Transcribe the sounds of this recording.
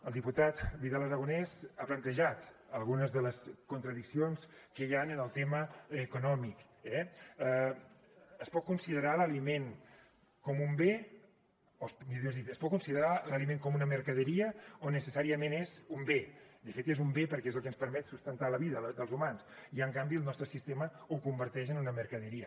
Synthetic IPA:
əlˠd̪iput̪at̪βiðalˠəɾəɣ̞unɛzaplənt̪əʒat̪əlˠɣunəzðələskunt̪ɾəðiksionskəjanənəlˠt̪eməəkunɔmik | ɛ | əspɔt̪̚kunsiðəɾaləlimeŋ | kɔmumbe | osmiðewzðit̪əspɔt̪̚kunsiðəɾaləlimeŋkɔmunəməɾkəðəɾiəonːəsəsaɾiəmenezumbed̪əfet̪ezumbepəɾkezəlˠkənspəɾmɛt̪sust̪ənt̪aləβiðəəd̪əlˠzumansiəŋkambiəlˠnɔst̪ɾəsist̪eməukumbəɾt̪ɛʃənunəməɾkəðəɾiə

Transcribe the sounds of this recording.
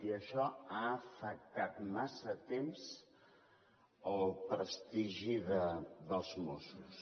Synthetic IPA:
iəʃɔaəfək̚t̪at̪masət̪emz | əlˠpɾəst̪iʒiðəðəlˠzmosus

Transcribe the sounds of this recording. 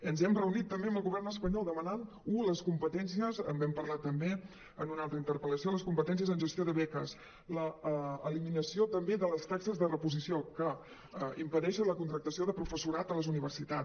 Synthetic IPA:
ənzɛmrəunit̪ːəmbeəməlˠɣuβ̞ɛrnəspəɲɔlˠd̪əmənan | uləskumpət̪ɛnsiəzəmbɛmpəɾlat̪ːəmbe | ənunalˠt̪ɾəint̪əɾpələsioləskumpət̪ɛnsijəzənʒəst̪joðəβɛkəs | ləːliminəsiot̪əmbeðələst̪aksəzðərəpuzisiokə | impəðɛʃənləkunt̪ɾək̚t̪əsioðəpɾufəsuɾat̪ələzuniβ̞ərsit̪a

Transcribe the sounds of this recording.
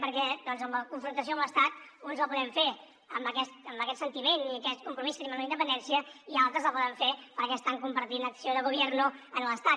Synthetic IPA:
pəɾkɛd̪ɔnzəmləkuɱfɾunt̪əsioəmləst̪at̪̚unzəlˠpuðɛmfe | əmbəkɛst̪əmbəkɛt̪sənt̪imeniəkɛt̪kumpɾumiskəɾemə̃nləind̪əpənd̪ɛnsiəialˠt̪ɾəzəlˠpɔðəɱfepəɾkɛst̪aŋkumbəɾt̪inəksioðəɣuβjɛrnuənləst̪a

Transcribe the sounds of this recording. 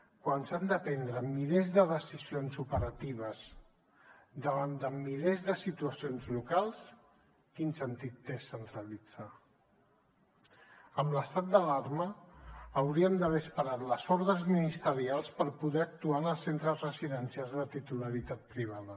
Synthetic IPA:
kwansand̪əpɛnd̪ɾəmilɛzðəðəsizionzupəɾət̪iβ̞əz | d̪əβand̪əmilɛzðəsit̪uəsionzlukalˠs | kinsənt̪it̪ːesːənt̪ɾəlid͡z̥a | əmləst̪at̪̚d̪əlarməː | wɾiəmd̪əβɛspəɾat̪ləzɔɾðɾəzminist̪əɾialˠspəɾpuðɛək̚t̪uanəlˠsent̪ɾəzrəziðənsijalˠzðət̪it̪uləɾit̪at̪̚pɾiβ̞aðə

